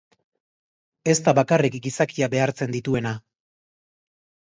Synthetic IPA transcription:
e̞st̪aβakarikɡisakiaβe̞aɾt͡se̞nd̪it̪ue̞na

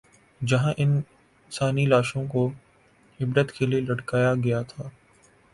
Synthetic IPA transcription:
d͡ʒɐɦãʔɪn | saːnilaːʃõko | ɪbɾət̪kelielɐʈkaːjaɡɐjat̪ʰaː

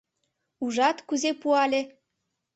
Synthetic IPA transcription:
uʒɑt̪kuzepuɑlʲe

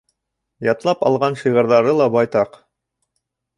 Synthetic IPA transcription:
jɑt̪lˠɑpɑlˠʁɑnʃiʁɤ̆ɾðɑɾɤlˠɑbɑjt̪ɑq

